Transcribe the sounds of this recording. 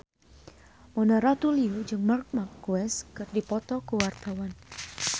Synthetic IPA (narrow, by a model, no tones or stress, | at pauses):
mɔnaɾat̪uliud͡ʒɨŋmark̚makːuɛskɨrdipɔt̪ɔkəwart̪awan